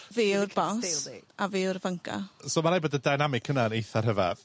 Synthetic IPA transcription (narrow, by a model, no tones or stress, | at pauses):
veːɪrbɔsavɪːʊrvəŋkʰa̰soːmaɾaːjbɔdədajnamɪkʰənaənejθarɦəva